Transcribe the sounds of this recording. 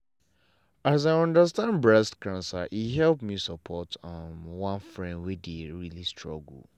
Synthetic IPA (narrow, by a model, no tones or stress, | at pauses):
azaɪɔ̃ndəstãndbɹɛstkãnsa̰ʔiɦɛlpmisəpʰɔtɔmwãnfɹɛ̃ndwɛdeɹilistʰɹɔɡ̰l̩